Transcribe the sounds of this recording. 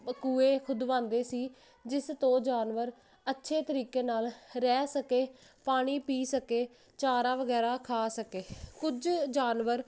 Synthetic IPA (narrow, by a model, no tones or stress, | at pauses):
kuːeːkʰʊd̪ʋãːnd̪eːsiː | d͡ʒɪst̪õːd͡ʒaːnʋəɾ | ətːʃʰeːt̪əɾiːkeːnaːlɾɛːsəkeːpaːɽ̃iːpiːsəkeː | t͡ʃaːɾaːʋəɡɛːɾaːkʰaːsəkeːkʊd͡ʒd͡ʒaːnʋəɾ